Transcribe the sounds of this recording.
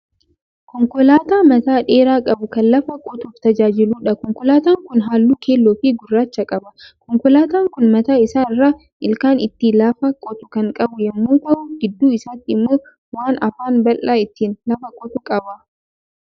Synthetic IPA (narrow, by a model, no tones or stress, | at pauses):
kɔŋkɔlaːt̪aːmɐt̪aːᶑeːɾaːkʼɐbʊkɐnlɐfɐkʼɔt̪ʊft̪ɐd͡ʒaːd͡ʒɪluːᶑɐkɔŋkɔlaːt̪aːŋkʊnɦaːlːuːkʰeːlːoːfɪɡʊrːaːt͡ʃːɐkʼɐbɐkɔŋkɔlaːt̪aːŋkʊnmɐt̪aːɪsaːɪrːaː | ʔɪlkaːnɪt̪ːilɐfɐkʼɔt̪ʊ̥kɐŋkʼɐbʊjɐmːuːkɐuːɡɪd̪ːuːɪsaːt̪ːɪɪmːoː | waːnɐfaːnbɐlʔaːɪt̪ːiːnlɐfɐkʼɔt̪ʊkʼɐbɐ